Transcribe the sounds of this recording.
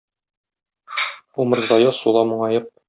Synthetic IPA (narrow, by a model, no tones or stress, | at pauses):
umɤ̆ɾzɑjɤsulˠɑmɤ̆ɴɑjɤq̚